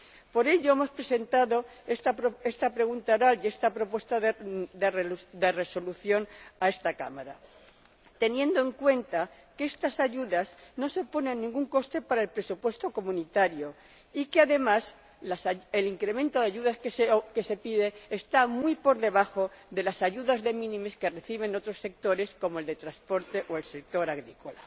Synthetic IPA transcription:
po̞ɾe̞ʎo̞emo̞spɾe̞se̞nt̪aðo̞est̪apɾoe̞st̪apɾe̞ɣunt̪aoɾale̞st̪apɾo̞pwe̞st̪aðd̪e̞rd̪e̞re̞so̞luθjo̞nae̞st̪aka̰maɾa | t̪e̞njẽ̞nd̪oe̞ŋkwe̞nt̪a | kee̞st̪asaʝuðazno̞se̞po̞ne̞nːĩŋɡuŋko̞st̪e̞paɾae̞lpɾe̞supwe̞st̪o̞ko̞mũnit̪aɾjo̞ | ikeaðe̞mas | laseliŋkɾe̞mẽ̞nt̪o̞ðeaʝuðaskeke̞se̞piðe̞ːst̪amwuipo̞ɾðe̞β̞axo̞ðe̞lasaʝuðazðe̞mĩnĩme̞ske̞re̞θiβ̞e̞no̞t̪ɾo̞sːe̞k̚t̪o̞ɾe̞sko̞moe̞ld̪e̞t̪ɾaspo̞ɾt̪e̞ʔoe̞lse̞k̚t̪o̞ɾaɣɾiko̞la

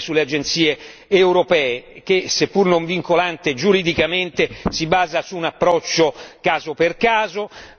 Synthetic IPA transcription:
sulːead͡ʒent̪siːeː | wɾopɛːek̟esepːurnoɱviŋkolant̪ed͡ʒuɾid̪ikament̪esibaːzasuːnapːɾɔt͡ʃːokaːzoperkaːzo

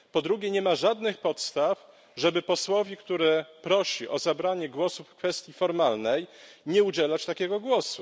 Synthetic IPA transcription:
pɔd̪ɾuɡʲɛɲɛmaʐad̪nɘxpɔt̪st̪af | ʐɛbɘpɔswɔvʲikt̪uɾɛpɾɔɕiʔɔzabɾaɲɛɡwɔsufkfɛst̪ʲjifɔɾmalnɛjɲɛud͡ʑɛlat͡ɕt̪akʲɛɡɔɡwɔsu

